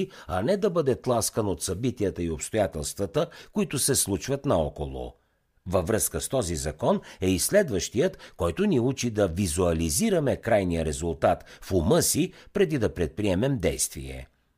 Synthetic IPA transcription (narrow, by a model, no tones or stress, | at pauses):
iɐnɛd̪ɐbɤd̪ɛt̪lˠaskənot̪sɐbit̪iət̪əiopst̪ojat̪ɛlˠst̪vət̪əkʊit̪ʊsɛslˠut͡ʃvət̪nɐɔkolˠʊ̰ | vəvɾɤskəst̪ɔzizɐkɔnɛislɛd̪vəʃt̪ijət̪kɔjt̪ʊniut͡ʃid̪ɐvizuɐliziɾɐmɛkɾajnijəɾɛzulˠt̪at̪fʊmɤsipɾɛd̪id̪ɐpɾɛt̪̚pɾiɛmɛmd̪ɛjst̪vḭɛ̰